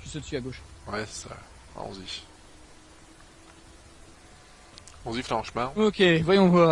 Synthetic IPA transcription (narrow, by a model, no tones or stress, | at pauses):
ʒəsəd̪əsyaɡoʃwɛsɛ̥sa̰ | ã̰ɔ̰̃zi | ɔ̃ziflãɑ̃ʃmɛ̃okʲevwajɔ̃va